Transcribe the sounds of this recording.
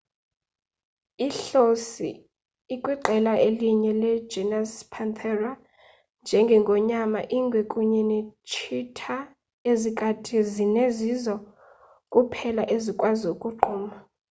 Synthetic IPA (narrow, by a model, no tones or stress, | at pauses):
iɬosḭː | kʼwiǃɛlaʔeliɲɛlɛd͡ʒɛnaspʰant̪ʰɛra | nd͡ʒʱɛŋɡʱɛŋɡʱɔɲamaʔiŋɡʱwekʼuɲinit͡ʃʰitʰa | ezikʼatʰizinezizɔ | kʼupʰɛlaʔezikʼwazokʼuǃuːma